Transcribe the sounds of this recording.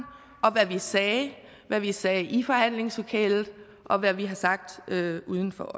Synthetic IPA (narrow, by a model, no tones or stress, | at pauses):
ɒ̽ʋæʋisɛː | ʋæʋisɛːʔifɒ̽hæn̰le̝ŋslo̝kʰɛ̰ːlð̩ˠ | ʔɒ̽ʋæʋiɦɑ̈sɑ̈ɡ̥̚d̥øuːð̞ˠn̩fɒ̽